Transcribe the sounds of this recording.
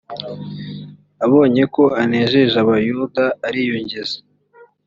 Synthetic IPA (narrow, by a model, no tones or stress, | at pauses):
aβo̞ːɲe̞ko̞aneʒeʒaβajudaːɾijuɲɟeze̥